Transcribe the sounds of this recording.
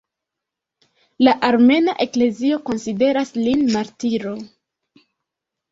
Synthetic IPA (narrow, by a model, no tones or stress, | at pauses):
laʔaɾme̞naʔe̞kle̞zio̞ko̞nside̞ɾaslinmaɾtiɾo̞